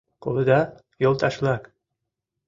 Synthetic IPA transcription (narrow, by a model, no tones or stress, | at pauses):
qulˠɤ̆d̪ɑ | jolˠt̪ɑʃlˠɑk